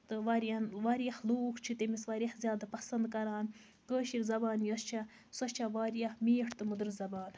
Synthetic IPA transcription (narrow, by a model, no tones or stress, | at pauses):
t̪ɨʋaːɾjanʋaːɾijɐxluːkʰt͡ʃʰit̪emisʋaːɾijɐhzʲjaːd̪apɐsɐnd̪kɐɾaːn | kəːʃiɾzɐbaːnjɐst͡ʃʰɐ | sɐt͡ʃʰɐʋaːɾjɐhmiːʈʰt̪ɨmud̪ɨɾzɐbaːn